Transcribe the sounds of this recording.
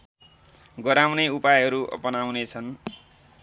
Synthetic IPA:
ɡʌɾawneupajɦʌɾuʔʌ̰pʌnawnet͡sʰʌn

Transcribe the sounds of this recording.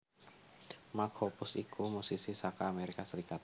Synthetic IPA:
makʰopʊsikʰumusisisakaːmeɾikasəɾikat̪̚

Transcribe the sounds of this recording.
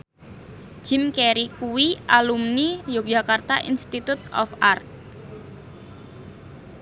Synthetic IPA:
d͡ʒʒ̥ɪmkeɾikuwiʔalumnijod͡ʒakart̪aʔinst̪it̪ut̪̚ɔ̰fart̪̚

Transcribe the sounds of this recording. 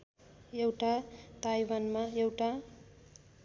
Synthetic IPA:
ewʈat̪ajwanmaewʈa

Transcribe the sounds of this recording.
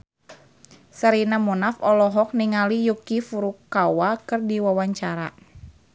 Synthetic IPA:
saɾinamunafɔlɔɦɔk̚niŋalijukifuɾukːawakɨrdiwawaɲt͡ʃaɾa̰

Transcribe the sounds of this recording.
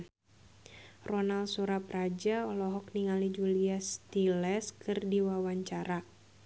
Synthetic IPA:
rɔnalsuɾaprad͡ʒaɔlɔɦɔk̚niŋalid͡ʒuliast̪ilɛskɨrdiwawaɲt͡ʃaɾa

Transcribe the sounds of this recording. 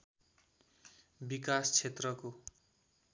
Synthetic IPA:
bikast͡sʰet̪rʌko

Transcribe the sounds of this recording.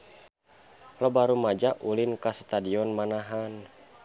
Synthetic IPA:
lɔbaɾumad͡ʒaʔulinkast̪adiɔnmanaɦan

